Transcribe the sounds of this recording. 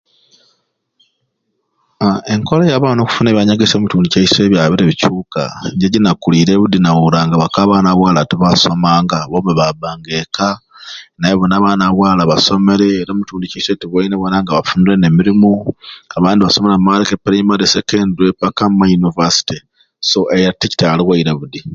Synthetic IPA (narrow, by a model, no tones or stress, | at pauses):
eŋkolajaβano̞ːku̥funeβiaɲaɡesemutuːndicaise̞ːβjaβiɾeβicuːka̰ɲɟeɟinakuliːɾeːβud̪inawuɾaːŋɡaβakaːβaːnaβwaːlatiβasomaːŋɡaβomuβabaːŋɡeka | najeβonaβanaβwaːlaβaso̞me̞ɾeɾamutuːndicaisetiβwaineβonaŋɡaβafuːndiɾene̞miɾimuaβaːndiβasomeɾamaɾikepɾimaɾesekenduepakammajunivasi̥ti | soʔejatici̥taliɣwaiɾaβudi